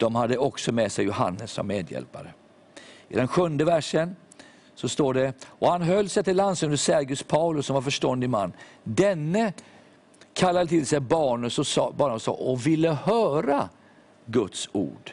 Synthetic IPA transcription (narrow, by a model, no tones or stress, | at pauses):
d̪̥ɔmɦad̪ːəɔksɔmeːsɛjːʊɦa̰nːəsːɔ̰mːeːd̪jɛ̰lpaɾə | ʔɪ̰d̪ɛnɧɵnd̪əvæʂən | sɔst̪oːɖɛɔhanɦœlːsɛt̪ɪlːansɵnd̪əsæɾɡɵspʰaʊlɵsːɔmvaɾfœʂʈɔnd̪ɪma̰nːd̪ɛnːə | kʰalːad̪ət̪ʰɪlsɛjbɑːɳəsɔbɑːɳəsɑ̰ːʔɔvɪlːəhœːɾa | ɡɵt̪sṵːɖ̥